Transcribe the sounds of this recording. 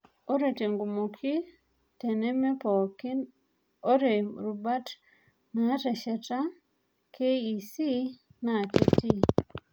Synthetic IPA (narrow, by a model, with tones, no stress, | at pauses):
o˦ɾe˨te˨ŋɡu˨mo˨kʰi˦ | tɛ˨nɛ˦mɛ˦pɔ˨k | o˦ɾe˨ɾu˨ba˦t | na˨˦tɛ˨ʃɛ˨ta˦ | kʰe˦i˨si˦na˨ke˦ti˦